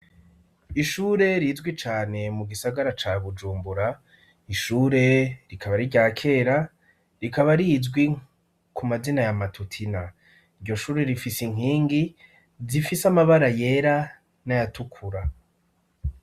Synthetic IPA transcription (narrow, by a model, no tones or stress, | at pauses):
iʃuːɾe̞ɾizɡwit͡ʃaːne̞muɡisaɡaɾat͡ʃaβud͡ʒuːmbuɾa | iʃuːɾe̞ɾikʰaβaɾiɾɟaːkʰe̞ɾa | ɾikaβaɾizɡwi | kʰumazinajamatʰutʰina | iɾɟo̞ʃuːɾe̞ɾifisiŋ̥ɦiːŋɡi | zifisamaβaɾaje̞ɾa | najatukʰuɾa